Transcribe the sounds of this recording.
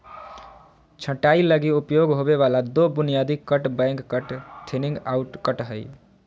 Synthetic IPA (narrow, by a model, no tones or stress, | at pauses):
t͡ʃʰə̃ʈailəɡiupjoɡɦobeβalad̪obunijad̪ikəʈbɛ̃ŋkːəʈt̪ʰeniŋɡauʈkəʈɦəj